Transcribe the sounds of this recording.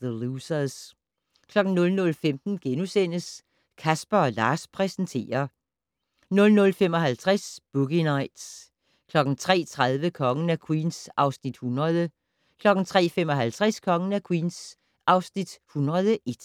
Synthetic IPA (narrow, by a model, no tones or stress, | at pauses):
ðəluːsɐs | kʰlɒ̽ɡ̥n̩nɔ̽lnɔ̽lfemd̥n̩ɡ̥enusen̰əs | kʰæsb̥ɐɒ̽lɑ̰̈ːspʰʁɛsn̩t͡sʰe̝̰ːɐ | nɔ̽lnɔ̽lfem̰ɒ̽ɦælt͡sʰʁasb̥uɡ̥inɑ̈ɪ̰d̥s | kʰlɒ̽ɡ̥n̩t͡sʰʁɛ̰ːt͡sʰʁað̞ˠʋəkʰɒ̽ŋənækʰwḭːnsʔɑ̈ʊsnid̥hunʁɐð̞ˠə | kʰlɒ̽ɡ̥n̩t͡sʰʁɛ̰ːfem̰ɒ̽ɦælt͡sʰʁaskʰɒ̽ŋənækʰwiːns | ʔɑ̈ʊsnid̥hunʁɐð̞ˠəʔe̝d̥